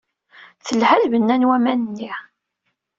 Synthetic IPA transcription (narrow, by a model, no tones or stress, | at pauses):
θəlhælvənːænwæmænənːi